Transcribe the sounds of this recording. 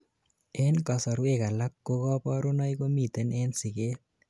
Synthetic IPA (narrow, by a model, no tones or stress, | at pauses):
enkasɔɾwekalakːokɔpɔɾunɔjkomit̪enensiket